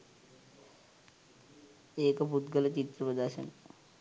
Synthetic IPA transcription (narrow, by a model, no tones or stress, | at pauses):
ekaput̪ɡəlat͡ɕit̪ːɾəpəd̪aɕə̰n